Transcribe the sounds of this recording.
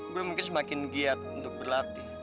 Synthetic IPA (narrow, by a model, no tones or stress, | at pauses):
ɡuɛmuŋkɪns̬əmakɪnɡiat̪̚unt̪ʊk̚bərlat̪i